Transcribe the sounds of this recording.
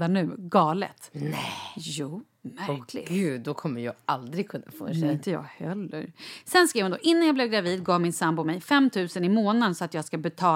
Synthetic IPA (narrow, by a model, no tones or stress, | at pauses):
d̪anːʉ̟ːɡɑːlə̰t̪ɛjuː | mækʰlɪ̰ɡʉːd̪ːɔkʰɔmːəɾjɑ̰ːʔald̪ɾɪɡ̚kʰɵnːa̰fo̰ːɪnt̪əjɑ̰ːɡhɛlːə̰ɾsɛnskɾiːvhʊnd̪ɔ̰ːʔɪnːanjɑːblɛvɡɾaviːd̪ɡɑːvmɪnsambʊmɛjfɛmt̪ʰʉ̟ːsənɪmoːnənsɔat̪jɑːɡskabɛt̪ʰɑː